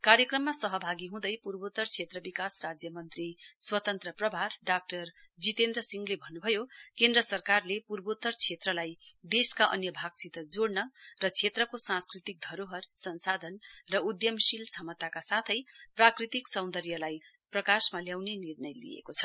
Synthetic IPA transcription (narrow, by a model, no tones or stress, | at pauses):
kaɾjʌkrʌmːasʌɦʌbʱaɡiɦũd̪ʌjpurbot̪ːʌrt͡sʰet̪rʌbikasrad͡zjʌmʌnt̪riswʌt̪ʌnt̪rʌprʌbʱarɖak̚ʈʌr | d͡zit̪end̪rʌsiŋɡlebʱʌnːubʱʌjokend̪rʌsʌrkarlepurbot̪ːʌrt͡sʰet̪rʌlajd̪eskaʔʌ̰njʌbʱaɡsit̪ʌd͡zoɽnʌrʌt͡sʰet̪rʌkosãnskrit̪ik̚d̪ʱʌɾoɦʌrsʌnsad̪ʱʌnrʌud̪jʌmsilt͡sʰamʌt̪akasat̪ʰʌjprakrit̪iksʌw̃nd̪ʌɾjʌlaj | prʌkasmaljawnenirnʌjlḭjḛkot͡sʰʌ̥